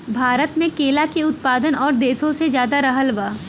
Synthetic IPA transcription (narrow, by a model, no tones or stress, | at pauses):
bʱaːɾət̪mẽkeːlakeʊt̪̚paːd̪ənɔːɾd̪eːsõsed͡ʒjaːd̪aɾɐɦəlʋaː